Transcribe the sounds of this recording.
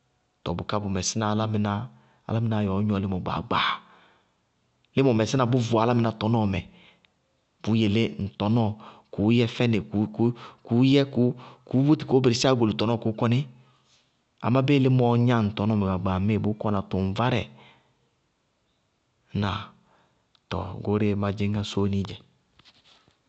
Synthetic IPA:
tɔ̰˨bu˨ka˦bʊ˨mɛ˨sɪ˦na˨˦la˦mɪ˨˦na˦ | a̰˨la˦mi˨na˨jɔ˨˦ɲ˦ɔ˨lɪ˦mɔ˨ɡ͡ba̰˨ɡ͡ba˨ | lɪ˦mɔ˨mɛ˨sɪ˦a˨bu˦vu˨a˨˦la˦mɪ˨na˨tɔ˨˦nɔ˦˨mɛ˨ | b̥u˨˦je˨le˦n̩˨tɔ˨˦nɔ˦ku˨˦jɛ˦fɛ˦ne˨kkku˨˦jɛ˦ku˦ku˨˦bo˦ti̥˨ko˨˦be˨ɾi˨sa˦ɡo˨li˨tɔ˨˦n˦ɔ˦˨ko˨˦kɔ˦nɪ˦ | a̰˨ma˦be˦lɪ˦mɔ˨ɲa˦˨n̩˨tɔ˨nɔ˦mɛ˨ɡa˨ɡ͡ba˨me˦˨bʊ˨˦kɔ˦na˨tu˨n˨va˦ɾɛ̰˨˦ | na˨ | tɔ̰˨ɡo˨˦ɾe˦ma˨d͡ʒɪ˦ŋa˦so˦ni˦d͡ʒɛ˨

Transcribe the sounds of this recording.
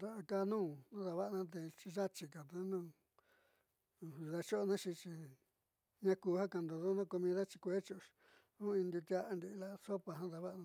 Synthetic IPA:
d̪a˧ʔa˧kaː˧nũː˦nã˦ða˧βa˦ʔnã˦t̪̬e˧t͡ʃi˧ʒa˦t͡ʃi˧ka˨t̪ã˧˦nũ˦˨˧ | ða˧t͡ʃo˦˧nã˦t͡ʃi˧t͡ʃi˧ | ɲã˧ku˧ha˦ka˧˨nd̪o˨ðo˦nã˦˧ko˧mĩ˧ða˦t͡ʃi˧kʷe˦t͡ʃo˧ʃ | nũ˦ĩ˧nd̪u˧t̪ʲa˧ʔnd̪i˧la˦˧so˦pa˧ɦã˦ða˧βa˦ʔnã˧

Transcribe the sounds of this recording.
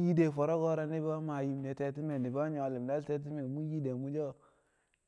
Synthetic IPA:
ji˦de˨fo˨ɾo˦ɡo˦ɾa˦ni˦bo˦ma˨ji˨mne˨te˨ti˦me˨ni˨bo˦ɲo˨li˨m˨de˦lte˦t̬i˦me˨mu˦ji˦de˨mu˦d͡ʒo˦˨

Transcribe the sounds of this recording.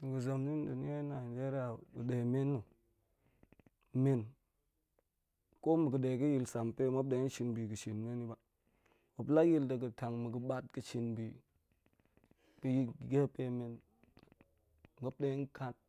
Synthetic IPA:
mi˨ɡə˨zo˨mni˦ndu˨ni˦e˦na˨n˨d͡ʒe˦ɾa˨ɗə˨de˨me˦nːu˨ | me˨n | ko˦mə˨ɡə˨de˨kə˦ji˨lsa˨mpe˦mo˦b̚de˨˦n˦ʃi˨nbi˨kə˨ʃi˨nme˦ni˦ba˨ | mo˨pla˦ji˦lta˨ɡə˨ta˨ŋmə˨ɡə˨ɓa˦t̚kə˨ʃi˨nbi˨ | mi˨ji˦˨ɡe˦pe˦me˨n | mo˦p̚de˦nka˦t̚

